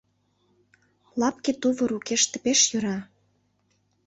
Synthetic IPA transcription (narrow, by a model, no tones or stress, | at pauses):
lɑpket̪uβɤ̆ɾukeʃt̪ə̆peʃjøɾɑ